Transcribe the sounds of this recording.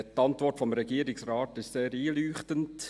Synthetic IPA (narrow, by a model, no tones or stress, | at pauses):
t̪ɑntʋɔrtfɔmɾɛɡiːɾɪksrɑːt̪ɪʃseːɾiːlyːχtənt